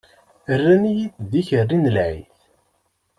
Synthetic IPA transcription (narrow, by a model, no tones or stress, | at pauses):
ərːænijiθðiçərːinəlʕḭθ